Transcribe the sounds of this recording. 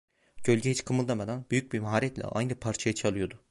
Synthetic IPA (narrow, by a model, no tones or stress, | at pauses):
ɟ̥ø̞lʲɟɛhit͡ʃkʰɯmɯlˠd̪amad̪anbyjyc̚bimaɦaːɾɛt̪lʲɛ̰ʔa̰jnɯpʰaɾt͡ʃʰajat͡ʃʰalˠɯjo̞d̪ʊ